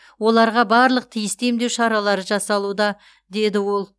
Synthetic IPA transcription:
wo̞lˠɑɾʁɑbɑɾlˠəq̚t̪ʰijɪst̪e̞md̪e̞wʃɑɾɑlˠɑɾəʒɑsɑlˠud̪ɑ | d̪e̞d̪ɪwo̞lˠ

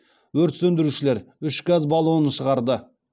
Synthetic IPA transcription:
wɵɾt̪sɵnd̪ɪɾuʃɪleɾʏʃɡazbɑlˠonənʃəʁɑɾd̪ə

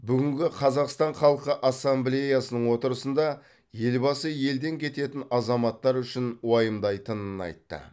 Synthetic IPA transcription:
bʏɡʲɪŋɡʲɪqʰɑzɑqst̪ɑɴχɑlˠqəʔɑsːamblʲe̞jasənəɴwo̞t̪əɾəsənd̪ɑ | je̞lbɑsəje̞ld̪e̞ŋkʲʰe̞t̪e̞t̪ɪnɑzɑmɑt̪ːɑɾʏʃɪnwɑjəmd̪ɑjt̪ənənɑ̰jt̪ːə̰

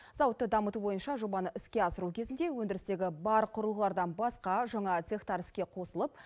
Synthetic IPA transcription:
zɑwət̪ːəd̪ɑmət̪ubo̞jənʃɑʒo̞bɑnəʔɪskʲe̞ɑsəɾukʲʰe̞zɪnd̪ewɵnd̪ɪɾɪst̪e̞ɡʲɪbɑɾqʰʊɾəlˠʁəlˠɑɾd̪ɑnbɑsqɑʒɑɴɑt̪sext̪ɑɾɪskʲe̞qʰo̞səlˠəp̚

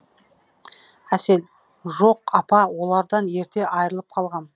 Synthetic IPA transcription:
æse̞l | ʒo̞q̚ɑpɑwo̞lˠɑɾd̪ɑnje̞ɾt̪e̞ʔɑjɾəlˠəp̚qʰɑlˠʁɑn

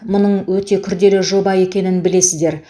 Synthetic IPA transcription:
mʊnəɴwɵt̪e̞kʲʰʏɾd̪e̞lɪʒo̞bɑje̞kʲe̞nɪnbɪle̞sɪzd̪e̞ɾ

